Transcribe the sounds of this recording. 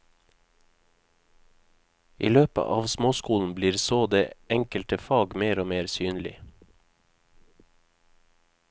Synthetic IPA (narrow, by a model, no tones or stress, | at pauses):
ʔḭːløːpə̰ʔɑ̰ːʋsmoːskuːln̩bliːɾsoːd̪eːɛŋkəlt̪əfɑːɡmeːɾoːmeːɾsyːnlɪ̰